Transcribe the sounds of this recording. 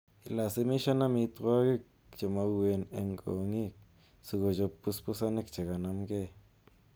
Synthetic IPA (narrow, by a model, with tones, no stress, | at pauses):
i˨la˨se˦˧mi˦ʃa˦na˦mi˧t̪wa˦ɡi˦k̚ | t͡ʃe˨ma˧we˧nḛ˧ŋɡo̰˨˧ŋi˦k̚ | su˧ɡo˨d͡ʒo˧pːu˧˦spu˦sa˦ne˦kt͡ʃe˨ɡa˨na˧mɡe˦